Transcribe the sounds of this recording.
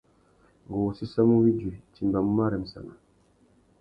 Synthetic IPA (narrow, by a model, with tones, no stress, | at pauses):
ŋɡo˨wo˨si˦sa˦mu˦wi˦d͡ʒe˨ti˨mba˨mu˦ma˦ɾɛ˨m̩˨sa̰˨na˨